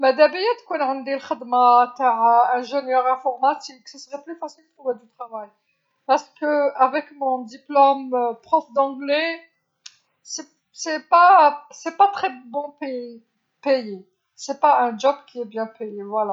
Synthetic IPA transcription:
mɛd̪æbijɛd̪kwɛnʕənd̪eləxəd̪mat̪aʕaɛ̃ʒenjœʁɛ̃fɔʁmat̪ifkə̥səsəʁɛplyfasild̪t̪ʰuved̪yt̪χavaj | paʁsə̥kəavɛkmɔ̃d̪iplɔmpχɔfd̪ɑ̃ɡlɛ | sɛ | sɛpasɛpat̪χɛbɔ̃pe | peje | sɛpaɛ̃d͡ʒɔbkʲʰiɛbjɛ̃pejevwala

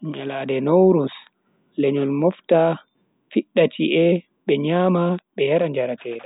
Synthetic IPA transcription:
ɲaladɛnowɾus | lɛɲɔlmɔfta | fiɗːatʰiʔɛ | ɓɛɲaːmaɓɛjaɾaɲd͡ʒaɾatɛːda

